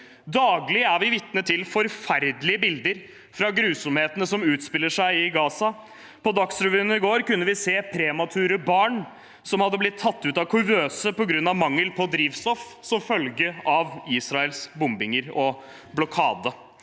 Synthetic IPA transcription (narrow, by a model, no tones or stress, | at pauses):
d̪ɑːɡlɪæɾʋɪʋɪt̪nət̪ʰɪlfɔɾfæɾd̪lɪəbɪld̪əɾ | fɾɑɡɾʉːsɔmheːt̪ənəsɔmʉːt̪spɪlːəʂæɪɪɡɑːsɑ | pɔd̪ɑksɾɛʋyːnəɪɡoːɾkʉnːəʋɪseːpʰɾɛmɑt̪ʰʉːɾəbɑːɳ | sɔmhɑd̪ːəblɪt̪ʰːɑt̪ːʉːt̪ɑʋkʰʉʋøːsəpɔɡɾʉnːɑʋmɑŋːəlpʰɔd̪ɾiːʋst̪ɔf | sɔmfœlɡəʔɑʋiːsɾɑɛlsbʊmbɪŋəɾɔ | blɔkʰɑːd̪ə